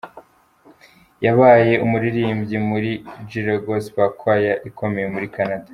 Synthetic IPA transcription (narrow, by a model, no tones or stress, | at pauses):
jaβaːje̞ʔumuɾiɾiːmbɟimuɾid͡ʒiɾaɡoswakʰwajaʔikʰo̞me̞jemuɾikanada